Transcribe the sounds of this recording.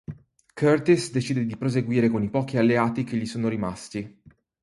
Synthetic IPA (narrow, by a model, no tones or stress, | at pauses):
kʰørt̪isd̪et͡ʃiːd̪ed̪ipɾozeɡwiːɾekonipɔːk̟ialːeaːt̪ik̟eʎːisoːnoɾimast̪i